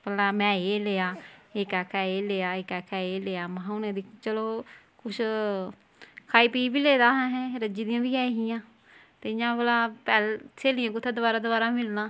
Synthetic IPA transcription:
pəlaːmɛ̃ːeːleːaːeːkɛːkʰɛːeːleːaːɪkɛːkʰɛːeːleːaːmãɦaʊnẽːd̪iːt͡ʃəloː | kʊt͡ʃʰ | kʰaːiːpiːbiːleːd̪aːɦɛ̃ɦɛ̃ːɾəd͡ʒiːd̪ijãːbiːɛːɦɪjãː | t̪eːjãːbəlaːpɛːlt͡ʃʰeːlijãːkʊt̪ʰːeːd̪ʊbaːɾaːd̪ʊbaːɾaːmɪlnãː

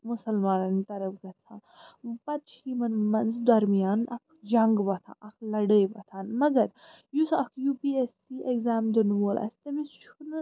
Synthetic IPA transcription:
mʊsɐlmaːnɐnit̪ɐɾɐbɡɐt̪t͡sʰã̰ː | pɐt̪t͡ʃʰimɐnmɐnzd̪ɐɾmijaːnɐk̚ʰd͡ʒɐŋɡʋɐt̪ʰã̰ːʔɐkʰlɐɽəjʋɐt̪ʰaːnmɐɡɐɾ | jusɐkʰjuːpiːesːiːʔeɡzaːmd̪ɐnʋoːlʔɐ̰st̪ɐmist͡ʃʰun

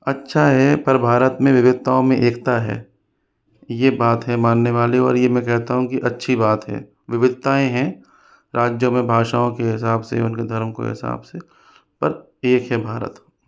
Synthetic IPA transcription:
ɐtːʃʰaɦɛpɐɾbʱaːɾət̪mẽʋɪʋɪd̪̚t̪aːõmẽʔeːkt̪aɦɛ̰ː | jebaːt̪ɦɛmaːnːeʋaːleɔ̰ːɾjemɛ̃kɛɦt̪aɦũkiʔɐtːʃʰibaːt̪ɦɛ̰ː | ʋɪʋɪd̪̚t̪aːẽɦɛ̃ | ɾaːd͡ʒjomẽbʱaːʃaːõkeɦɪsaːbsḛʊnked̪ʱɐɾmko̰ɦɪ̰sa̰ːbse | pɐɾ | eːkɦɛbʱaːɾə̰t̪

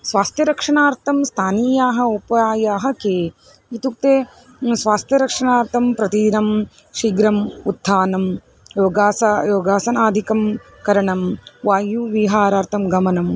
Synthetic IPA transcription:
sʋaːst̪ʰjɐɾɐkʂɐɳaːɾt̪ʰɐmst̪ʰaːniːjaːɦɐupɐaːjaːɦɐ̆keː | it̪uk̚t̪eː | sʋaːst̪jɐɾɐkʂɐɳaːɾt̪ʰɐmpɾɐt̪id̪inɐm | ʃiːɡɾɐmud̪ʱʰːaːnɐm | joːɡaːsajoːɡaːsɐnaːd̪ʱikɐm | kɐɾɐɳɐmʋaːjuʋiːɦaːɾaːɾt̪ʰɐmɡɐmɐnɐm

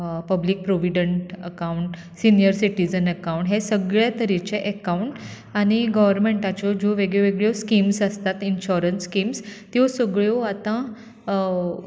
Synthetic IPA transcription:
pəblik̚pɾoʋiɖəɳʈəkauɳʈ | sinijəɾsiʈid͡zənəkauɳʈɦesəɡɭjat̪əɾit͡ɕeʔəkawɳʈ | aɽ̃iɡəʋəɾmeɳʈat͡ɕɔd͡ʑoʋeɡɭeʋeɡɭjɔskimsəst̪at̪inɕɔɾənskimst̪josəɡɭjoat̪ã

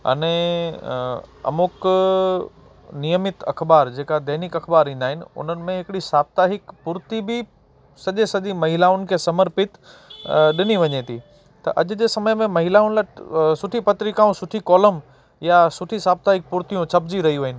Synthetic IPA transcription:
ɐ̰nẽ | ɐ̰mʊk | nijəmɪt̪ɐ̰kʰbaːɾd͡ʑeːkad̪ɐɦnɪkɐkʰbaːɾĩːnd̪aːɦɪnɪ̆ʊ̰n̤ənɪ̆mẽɦɪkɽisaːb̚t̪aɦɪkpʊɾt̪ibɪ | sɐʄesɐʄimɐɦɪlaʊn̆kʰeːsɐməɾpɪt̪ | ɗɪniʋɐɲet̪ʰi | t̪ɐ̰ʔɐʄ̆d͡ʑeːsɐməjmẽmɐɦɪlaʊnlɐʈsʊʈʰipɐt̪ɾikaːũsʊʈʰikɔːləm | jasʊʈʰisaːb̚t̪aɦɪk̚pʊɾt̪ijũt͡ɕʰɐbd͡ʑiɾɐɦiuʋɐɦɪnɪ̆

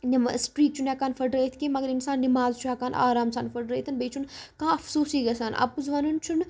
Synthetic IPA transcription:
nimsʈɾiːk̚t͡ʃʰunɛkaːnfʰɐɖɾeːt̪ʰkẽmɐɡəɾinsaːnnimaːzt͡ʃʰuɛkaːna̰ːɾaːmsaːnfɐɖɾeːt̪ʰɐnbeːt͡ʃʰunkãːɐfsuːsiːɡɐsaːnʔɐ̰puzʋɐnunt͡ʃʰun

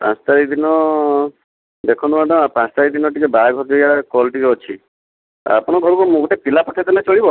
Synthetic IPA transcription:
pã̰st̪aɾik̚d̪inɔ | d̪ekʰɔnumad̪ɔapãst̪aɾik̚d̪inɔʈikebaaɡʱɔɾd͡ʒɔjakɔlʈikeɔt͡ʃʰi | a̰pɔɽ̃ɔɡʱɔɾukɔmũɡɔʈepilapɔʈʰat̪ɔnat͡ʃɔɭibɔ

